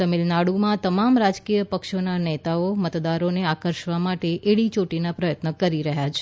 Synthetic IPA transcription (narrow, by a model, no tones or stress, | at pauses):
əmilnaɽumãt̪əmamɾad͡ʒkijəpəkʃonanet̪aomət̪d̪aɾoneakəɾʃʋamaʈeʔeɽit͡ʃoʈinapɾəjət̪nəkəɾiɾəɦjat͡ʃʰe̥